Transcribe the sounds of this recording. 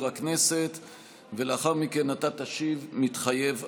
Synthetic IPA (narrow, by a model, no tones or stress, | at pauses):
ʁakne̞set̪ | veleaχaʁmike̞natat̪aʃivmit̪χaje̞v